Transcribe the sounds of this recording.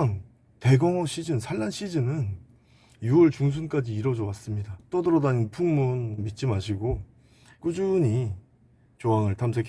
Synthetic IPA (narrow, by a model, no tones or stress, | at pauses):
ŋ | te̞ɡʌŋʌɕʰid͡ʑɯnsʰaɭːanɕʰid͡ʑɯnɯn | juʌɭt͡ɕuŋs̬ʰunk͈ad͡ʑiːɾʌd͡ʑowas͈ɯmɲidat͈ʌdɯɾʌdaninpʰuŋmunmit̚t͡ɕ͈imaɕʰiɡo | k͈ud͡ʑuɲi | t͡ɕoɦaŋɯɭtʰams̬ʰekʰ